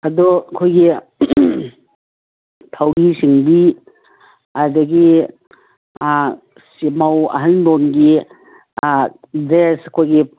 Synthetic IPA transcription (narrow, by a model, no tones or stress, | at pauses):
ɐdɔkʰojɡi | tʰawɾisiŋbi | ɐɾdɐɡi | simawɐ̰ɦɐndonɡi | dɾeskʰojɡi